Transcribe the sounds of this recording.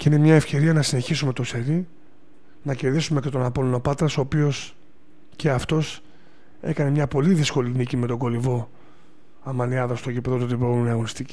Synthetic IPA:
ce̞ine̞mɲɐefce̞ɾiɐnɐsine̞çisume̞t̪o̞se̞ɾi | nɐce̞ɾðisume̞ce̞t̪o̞nɐpolono̞pɐt̪ɾɐso̞ːpio̞s | ce̞ɐft̪o̞s | e̞̰kɐne̞mɲɐpo̞liðisko̞linicime̞t̪o̞ɡo̞livo̞ | ɐmɐniɐðɐst̪oʝipðot̪ot̪ipoɣumeniɐɣonist̪ici

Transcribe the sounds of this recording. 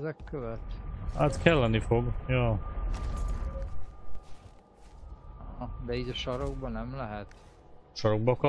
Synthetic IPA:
zɛkːøvɛt̪hat̪kɛlːɛnifo̞ɡjoː | ɒɦɒd̪ɛiːɟɒʃɒɾoɡ̚bɒnɛmlɛɦɛt̪ | ʃɒɾoɡ̚bɒkɒ

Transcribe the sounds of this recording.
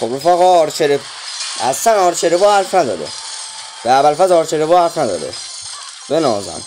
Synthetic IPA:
xobɾofæɣɔːɾt͡ʃʰeɾe | æsænɒːɾt͡ʃʰeɾebɔːhæɾfnæd̪ɒːd̪ḛ | b̥eæbælfæzɒːɾt͡ʃʰeɾebɔːhæɾfnæd̪ɒ̰ːd̪ḛ | benɒ̰ːzæ̰n

